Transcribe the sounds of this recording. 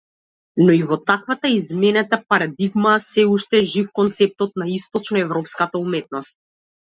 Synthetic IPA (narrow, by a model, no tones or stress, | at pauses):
nɔivɔt̪akvat̪aizmɛnat̪apaɾad̪iɡmasɛuʃt̪ɛʒifkɔnt̪sɛp̚t̪ɔt̪̚naist̪ɔt͡ʃnɔɛvɾɔpskat̪aumɛt̪̚nɔst̪̚